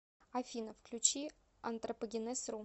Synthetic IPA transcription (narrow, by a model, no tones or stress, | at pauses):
afʲinɐfklʲut͡ʃʰi | ɐnt̪ʼrɐpoɡʲɪnɛsru